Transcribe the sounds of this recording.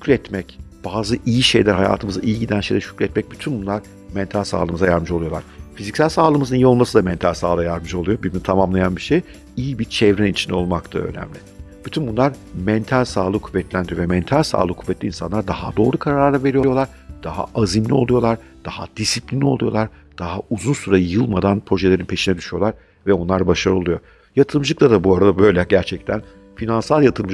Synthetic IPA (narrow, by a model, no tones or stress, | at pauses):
ʃycɾʲɛt̪mɛcb̥aːzɯʔijiʃejlʲæɾɦaja̰ːt̪ʰɯmɯza̰ʔijiɟid̪ænʃejlʲɛʃy̥cʲlʲɛt̪mɛc̚byt̪ʰynbunlˠaɾ | mɛnt̪ʰalʲsa̰ːlˠɯmɯzajaɾmɯʒolˠujo̞lˠa̰ɾ̥fizicsælʲsaːlˠɯmɯzɯnijio̞lˠmasɯd̪amɛnt̪ʰalʲsaːlˠajaɾmɯʃo̞lˠujobimnit̪ʰamamlˠajanbiʃej | ijibit͡ʃʰɛvɾɛnit͡ʃʰind̪ɛo̞lˠmakt̪ʰaø̰nɛ̰mlʲɪb̥yt̪ʰynbunlˠaɾmɛnt̪ʰælʲsaːlˠɯkʰuvːɛt̪lʲænd̪ɾijovɛmɛnt̪ʰalʲsa̰ːlˠɯkʰuvːɛt̪lʲinsa̰nlˠaɾd̪aha̰d̪o̞ːɾˠukʰaɾaɾaaɾlˠave̞ɾijjo̞lˠaɾ̥ | d̪̥aɦa̰azimlʲio̞lˠujo̞lˠaɾ | d̪̥ahad̪̥isiplʲinʲːio̞lˠujo̞lˠaɾd̪̥aɦauzunsuɾajɯjɯlˠmad̪anpʰɾo̞ʒe̞lʲeɾinpʰe̞ʃinɛd̪yʃyjo̞lˠaɾ | vɛo̞nlˠaɾbaʃaɾɯolˠujo̞ | jat̪ʰɯɾmʒɯk̚t̪ʰad̪abuaɾad̪abø̞jlʲɛɟæɾt͡ʃʰɛc̚t̪ʰæn | finansalˠjat̪ʰɯɾɯm